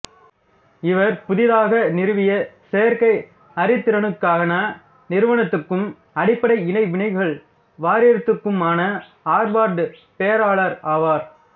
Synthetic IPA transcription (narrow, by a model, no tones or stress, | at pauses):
ɪʋɐɾpʊðɪðaːɣɐnɪɾɯʋɪjɐseːɾkɐɪ | ɐɾɪt̪ːɪɾɐɳɯkːaːɣɐnaː | nɪɾɯʋɐɳɐt̪ːɯkːɯm | ɐɽɪpːɐɽɐɪɪɳɐɪʋɪɳɐɪʋɯɣɐɭ | ʋaːɾɪɐɾt̪ːɯkːɯmaːnɐ | aːɾbaːɾɖɯpejɐɾaːɭɐɾaːʋaːɾ